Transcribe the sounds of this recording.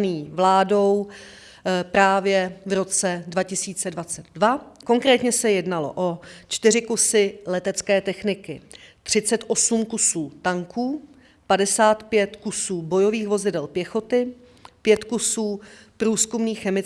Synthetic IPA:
niːvlaːdo̞w | pɾaːvjɛvɾo̞t͡sɛdvacɪsiːt͡sɛdvat͡sɛd̪dvako̞ŋkɾɛːt̪ɲɛsɛjɛdnalo̞̰ʔot͡ʃt̪ɪr̝ɪkusɪlɛt̪ɛt͡skɛːt̪ɛxnɪkɪt̪r̝̥ɪt͡sɛt̪ʔo̞sumkusuːt̪aŋkuː | padɛsaːt̪pjɛt̪kusuːbo̞jo̞viːxvo̞zɪdɛlpjɛxo̞t̪ɪ | pjɛt̪kusuː | pɾuːskumniːxːɛmɪ

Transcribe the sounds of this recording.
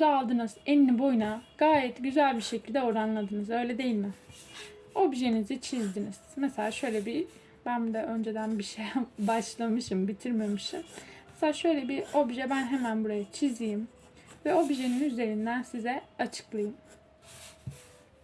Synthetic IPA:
uzaalˠd̪ɯnɯz̥ɛnːibo̞jnaɡ̥aːjɛt̪ɟyzælʲbiɾʃecʰilʲd̪ɛoɾanlˠad̪ɯnɯzø̞jlʲɛd̪e̞jilʲmɪ | o̞bʒenizit͡ʃʰizd̪iniz̥mɛselʲaːʃø̞jlʲɛbi | bænd̪ɛø̞nd͡ʒed̪ænbiʃejambaʃlˠamɯʃɯmbit̪ʰiɾmemɯʃɯmmɛseaːʃø̞jlʲɛbio̞bʒɛbænɦemænbuɾajat͡ʃʰizijim | vɛo̞biʒeninyze̞ɾind̪ænsizɛat͡ʃʰɯ̥klˠajɯm

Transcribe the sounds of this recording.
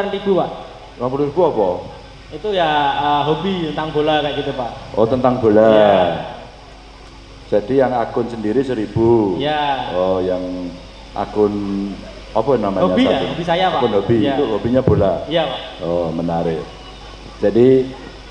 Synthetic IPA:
nt̪ibupaʔ | wapulɾibuapɔ | it̪ujaəɦobit̪ənt̪aŋb̥olakaɡit̪upaʔʔɔt̪ənt̪aŋb̥o̤la | d͡ʒ̥adijaŋakʊnsəndiɾisəɾib̥ujaɔjaŋ | ʔa̰kʊn | apɔnamaɦɲaiaobisajaaakʊnɦobiit̪uɦobiɲab̥olaijapaʔɔmənaɾɪh | d͡ʒ̥adi

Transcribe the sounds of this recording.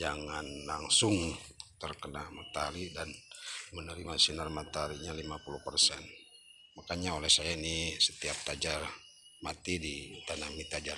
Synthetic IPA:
d͡ʒaŋanlaŋsʊŋt̪ərkənamat̪aɾidanmənəɾimasinarmat̪aɾiɲalimapuluhpərsɛn | makaɲaolɛhsajainisət̪iap̚t̪ad͡ʒar | mat̪idit̪anamit̪ad͡ʒar

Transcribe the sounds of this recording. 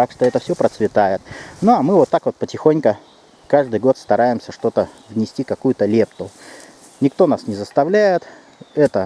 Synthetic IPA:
t̪akʂt̪o̞ɛt̪əfsʲopɾət̪svʲɪt̪ajɪt̪̚nuɐmɨvo̞t̪ːakvo̞t̪̚pətʲɪxonʲkə | kaʐd̪ɨjɡo̞t̪st̪ɐɾajɪmsʲəʂt̪o̞t̪əvnʲɪsʲtʲikɐkujʊt̪əlʲe̞pt̪ʊ | nʲɪkt̪o̞nasnʲɪzəst̪ɐvlʲæjɪt̪ | ɛt̪ə

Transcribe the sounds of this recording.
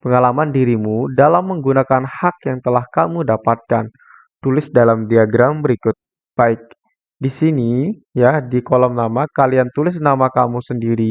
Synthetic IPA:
pəŋalamandiɾimudalamːəŋɡunakanhakjaŋt̪əlahkamudapat̪̚kan | t̪ulɪsdalamdiaɡɾambəɾikʊt̪̚ | b̥aɪk̚ | disini | jadikɔlɔmnamakaliant̪ulɪsnamakamusəndiɾi

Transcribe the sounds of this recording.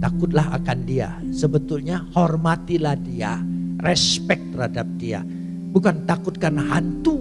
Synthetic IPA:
t̪akʊt̪̚laɦa̰kandia̰səbət̪ulɲahɔrmat̪ilahdia̰rɛspɛk̚t̪ərhadap̚dia̰ | bukant̪akʊt̪̚kanaɦant̪u

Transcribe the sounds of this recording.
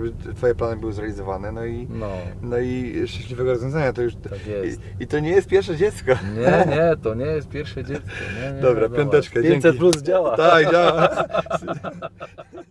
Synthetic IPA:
bɘt̪fɔjɛplanɨbɘwɔzɾalʲizɔvanɛnɔinɔnɔiʂt͡ʂɛ̃ɕlʲivɛɡɔɾɔzvʲjɔ̃zaɲat̪ɔjuʂakjɛ | it̪ɔɲɛjɛst̪pʲjɛɾʂɛd͡ʑɛt̪skɔɲɛɲɛt̪ɔɲɛjɛst̪̚pʲjɛɾfʂɛd͡ʑɛt̪kɔ̰ɲɛɲd̪ɔbɾajɔnt̪ɛt͡ʂkɛd͡ʑjɛŋk̪sɛiɾuzd͡ʑawat̪akd͡ʑawa

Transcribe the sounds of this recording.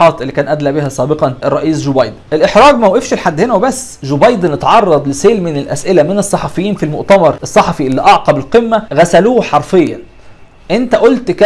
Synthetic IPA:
ɑːt̪ʔelːikæːnʔæd̪læbiɦæsˤæːbeqɑnʔerˤːɑʔiːsʒobɑjd̪nʔelʔeħɾɑːɡmæwʔefʃilħad̪ːhenæwebæsːʒobɑjd̪enet̪ʕɑrˤːɑd̪ˤleseːlmɪnelʔæ̰sʔɪlæmenesˤːɑħɑfejːiːnfilmoʔt̪æmɑɾˤʔesˤːɑħɑfiʔelːiʔɑʕqɑbelqemːæɣæsæluːħɑɾˤfejːæn | ʔent̪æʔolt̪kæ

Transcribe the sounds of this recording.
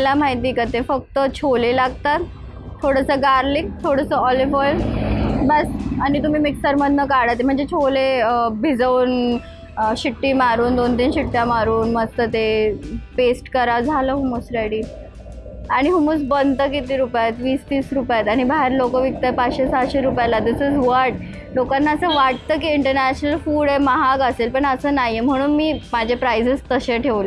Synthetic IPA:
ljam̤aɦit̪iːkat̪efək̚t̪ət͡ɕʰolelaɡt̪at̪ | tʰːoɽəsəɡaɾlik̚t̪ʰoɽəsəɔliʋɔjʋbəsaɽ̃it̪um̤iːmiksəɾməd̪ʱnəkaɽat̪̬em̤əɳd͡zet͡ɕʰolebʱid͡zəuːn | ɕiʈːiːmaɾuːnd̪ont̪iːnɕiʈːjamaɾuːnməst̪ət̪epesʈkəɾad͡zʱaləːɦumusɾeɽiː | aɽ̃iɦumut͡sbənt̪əkit̪iːɾupjat̪ʋiːsʋiːsɾupjat̪aɽ̃ibʱaɦeɾlokəʋik̚t̪apat͡sɕesaɕeɾupjalad̪isizʋəɾʈ̚ | lokanːaəsəʋaʈ̚t̪əːkiiɳʈəɾnæɕnəlfuːɽemaɦaɡəselpəɳəsəːnajem̤əɽ̃uːnmiːmad͡ʑʱepɾajzəst̪əɕeʈʰeʋle

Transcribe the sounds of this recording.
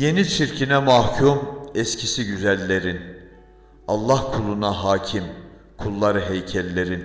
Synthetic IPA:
je̞nit͡ʃʰiɾcʰinɛmahcʰumɛscʰisiɟyzælʲːe̞ɾin | ɑlˠːahkʰulˠunaɦaːcʰim | kʰulˠːaɾɯɦejcʰɛlʲːe̞ɾin

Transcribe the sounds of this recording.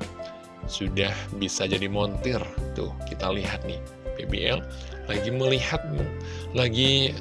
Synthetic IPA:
sudahbisad͡ʒadimɔnt̪ɪrt̪ʊ̰hkit̪aliɦat̪̚nɪhpebḛʔɛllaɡiməlihat̪̚mu | laɡi

